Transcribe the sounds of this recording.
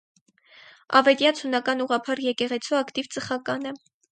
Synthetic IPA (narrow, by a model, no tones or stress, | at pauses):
ɑ̰vɛt̪jɑt͡sʰunɑkɑnuʁɑpʰɑɾjɛkɛʁɛt͡sʰuɑkt̪ivt͡səχɑkɑnə